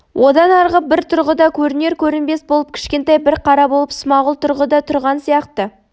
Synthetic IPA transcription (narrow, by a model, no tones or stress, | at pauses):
wʔo̞d̪ɑnɑɾʁəbɪɾt̪ʰʊɾʁəd̪ɑkʲʰɵɾɪne̞ɾkʲʰɵɾɪnbe̞sbolˠəp̚kʲʰɪ̥ʃkʲe̞nt̪ɑjbɪɾqʰɑɾɑbo̞lˠəpsəmɑʁəlˠt̪ʰʊɾʁəd̪ɑt̪ʰʊɾʁɑnsijɑqt̪ə